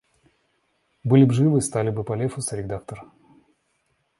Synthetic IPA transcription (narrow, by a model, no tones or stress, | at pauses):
bɨlʲɪbʐɨvɨst̪alʲɪbɨpɐlʲefʊsɐɾʲɪd̪ak̚t̪ər